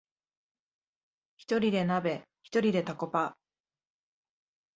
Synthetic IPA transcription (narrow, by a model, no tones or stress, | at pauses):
çi̥t̪o̞ɾʲid̪e̞nabe̞ | çi̥t̪o̞ɾʲid̪e̞t̪ako̞pa